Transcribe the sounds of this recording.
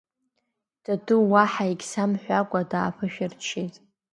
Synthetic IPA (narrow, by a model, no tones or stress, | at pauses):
d̥aduwaħaiɡʲsamħʷᶣakʷʼadaːpʰɨʃᶣɪrt͡ʃʰetʼ